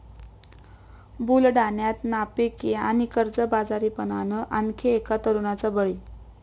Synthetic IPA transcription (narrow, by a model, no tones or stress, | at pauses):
bulɖanjat̪napekjaañikəɾd͡zəbad͡zaɾiːpənanəʔankʰeːkat̪əɾunat͡səbəɭi